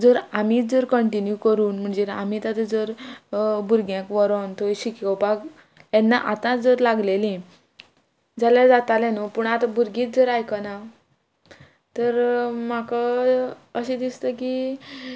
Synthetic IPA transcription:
d͡zəɾamiːd͡zəɾkəɳʈinjukəɾuːnm̤əɳd͡zea̰mit̪at̪ed͡zəɾ | buɾɡjãkʋɔɾont̪oɕikəwpak | jɛnːaʔat̪ãd͡zəɾlaɡlelĩ | d͡zalad͡zat̪alɛ̃nɔpuːɳat̪abuɾɡiːt͡s̚d͡zəɾajkana | t̪əɾmaka | əɕẽd̪ist̪əki

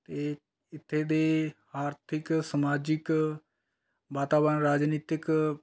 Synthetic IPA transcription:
t̪eː | ɪt̪ʰːeːd̪eː | aːɾt̪ʰɪksəmaːd͡ʒɪk | ʋaːt̪aːbənɾaːd͡ʒniːt̪ɪk

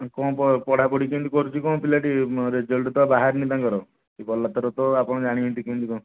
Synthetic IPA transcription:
kɔ̃pɔpɔɽ̤apɔɽikĩnt̪ikɔɾut͡ʃʰikɔ̃ːpilaʈiɾed͡ʒɔlʈut̪ɔbaɦaɾnit̪ãkɔɾɔ | kibɔlːat̪ɔɾɔt̪ɔapɔɽ̃ɔd͡ʒaɽ̃ient̪ikĩnt̪ikɔ̃

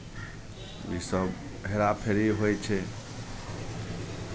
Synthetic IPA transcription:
jḭsəb | ɦeɾapʰeɾiɦojt͡ʃʰe

